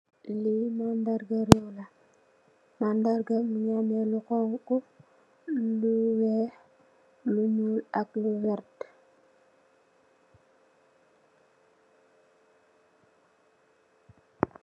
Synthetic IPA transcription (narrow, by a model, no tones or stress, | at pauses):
limandaɾɡaɾola | mandaɾɡamuɲanɛlukɔŋku | luwɛh | luɲulakluwɛɾt